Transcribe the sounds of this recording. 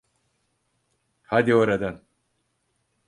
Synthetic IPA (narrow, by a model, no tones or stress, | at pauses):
had̪ioɾad̪an